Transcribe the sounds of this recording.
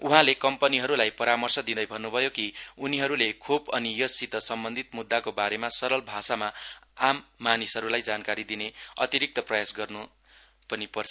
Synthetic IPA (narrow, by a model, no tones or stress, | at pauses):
uɦãlekʌmpʌniɦʌɾulajpʌɾamʌrsʌd̪id̪ʌjbʱʌnːubʱʌjokiuniɦʌɾulekʰubʌnijʌsit̪ʌsʌmbʌnd̪ʱit̪mud̪ːakobaɾemasʌɾʌlbʱasamaamːanisɦʌɾulajd͡zankaɾid̪ineʌ̰t̪iɾik̚t̪ʌprʌjasɡʌrnu | pʌnipʌrt͡sʰ